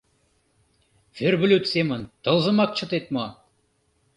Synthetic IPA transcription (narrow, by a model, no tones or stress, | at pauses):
ferβŏlʲyt̪semə̆nt̪ɤ̆lˠzɤ̆mɑk̚t͡ɕɤ̆t̪et̪̚mo